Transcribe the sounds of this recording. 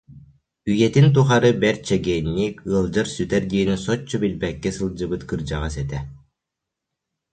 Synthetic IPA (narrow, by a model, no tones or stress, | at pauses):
yjɛt̪int̪̬uχaɾɯbɛɾt͡ɕɛɡɛːnːiːkɯɐlˠd͡ʑaɾsyt̪ɛɾd̪iɛnysɔt͡ɕːɔbilbɛkːɛsɯlˠd͡ʑɯbɯt̪kɯɾd͡ʑaʁasɛt̪ɛ